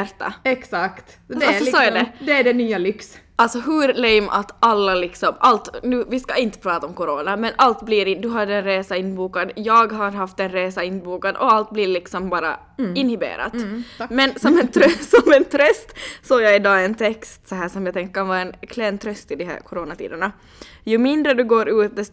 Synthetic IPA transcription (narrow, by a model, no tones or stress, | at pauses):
æɾt̪ːa̰ɛksakt̪ | ɔsɔːad̪ɛd̪ɛæɖɛnyːalʏksʔalt̪sɔɦʉɾlɛjmʔa̰t̪alːalɪksɔmʔalt̪nʉːvɪskaɪnt̪ə̥pʰɾɑːt̪aɔmkɔɾoːnamɛnʔalt̪bliɾɪd̪ɵɦad̪ɛnɾeːsaɪnːbuːkad̪jɑːɡɦaɾɦaft̪ɛnɾeːsaɪnːbuːkad̪ɔalt̪̚bliːɾlɪksɔmbɑːɾa̰ | ɪnhɪbḛːɾa̰t̪mɛnsɔmɛnt̪ʰɾsɔmɛnt̪ʰɾœst̪soːjaɪd̪ɑːɛnt̪ʰɛkst̪sɔɦæːʂɔmjat̪ʰɛŋkəkʰanvɑːɛnkʰlɛnt̪ʰɾœst̪ɪd̪ɔɦæ̰ːɾkʰʊɾoːnat̪ʰḭːd̪əɳa | jɵmɪnd̪ɾəd̪ʉɡoːɾʉːt̪̚d̪ɛ